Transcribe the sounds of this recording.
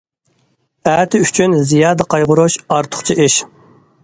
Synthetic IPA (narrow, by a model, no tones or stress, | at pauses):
æːt̪ʰɪyt͡ʃʰynzijɑːd̪əqʰɑjʁʊɾuʃɑɾt̪ʰʊ̥χt͡ʃʰiʔiʃ